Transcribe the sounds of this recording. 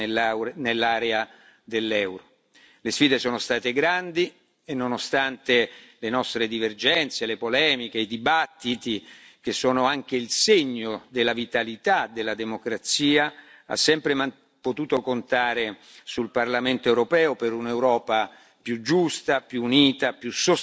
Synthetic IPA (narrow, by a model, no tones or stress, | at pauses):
nelːaːɾea | d̪elːɛwɾo | lesfiːd̪esoːnost̪aːt̪eɡɾand̪i | enːonost̪ant̪elenɔst̪ɾed̪iverd͡ʒɛnt̪selepolɛːmik̟eid̪ibat̪ːit̪ik̟esːoːnoaŋk̟eilseɲːod̪elːavit̪alit̪ad̪elːad̪emokɾat̪siːa | a̰sːɛmpɾema | pot̪uːt̪okont̪aːɾesulparlament̪oewɾopɛːopeɾunewɾɔːpa | pjud͡ʒust̪apjuːniːt̪apjuso